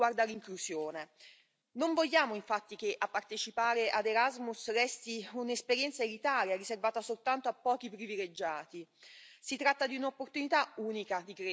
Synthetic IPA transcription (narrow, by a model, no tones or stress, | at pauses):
ward̪aliŋklusjoːne | noɱvoʎːaːmoiɱfat̪ːik̟eʔapːart̪et͡ʃipaːɾeʔad̪eɾazmusrɛst̪iunespeɾjɛnt̪saelit̪aːɾjariservaːt̪asolt̪ant̪oapːɔːk̟ipɾiviled͡ʒːaːt̪isit̪ɾat̪ːad̪iunopːort̪unit̪auːnikad̪ikɾe